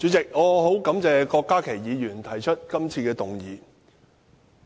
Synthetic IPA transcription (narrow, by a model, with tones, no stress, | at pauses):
t͡ʃyː˨˥t͡sɪ˨k̚ŋɔː˨˧ɦo˨˥wkɐ˨˥mt͡sɛː˧kɔː˧kːaː˥kʰe˨˩jjiː˨˧jyː˨˩nt̪ʰɐ˨˩jt͡ʃʰɵ˥t̚kɐ˥mt͡sʰiː˧kɛː˧t̪ʊ˨˩ŋjiː˨˧